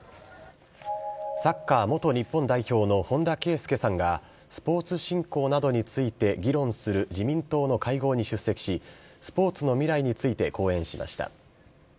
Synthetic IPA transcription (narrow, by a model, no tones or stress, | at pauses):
sakːaːmo̞t̪o̞ɲ̟ipːõ̞nd̪aiço̞ːno̞hõ̞nd̪ake̞ːsɨ̥ke̞sãŋɡa | sɨ̥po̞ːt͡sɨɕĩŋko̞ːnad̪o̞ɲ̟it͡sɨit̪e̞ɡʲiɾõ̞ɰ̃sɨɾɯ̟d͡ʑimʲĩnt̪o̞ːno̞kaiɡo̞ːɲ̟iɕɨsːe̞kʲi̥ɕi | sɨ̥po̞ːt͡sɨno̞mʲiɾaiɲ̟it͡sɨit̪e̞ko̞ːẽ̞ɰ̃ɕima̰ɕi̥t̪a̰